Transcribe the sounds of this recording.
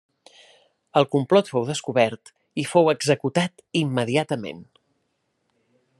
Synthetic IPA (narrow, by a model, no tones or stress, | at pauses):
əlˠkumplɔt̪fowðəskuβɛɾt̪ | ifowəɡzəkut̪at̪imːəðiat̪əmḛn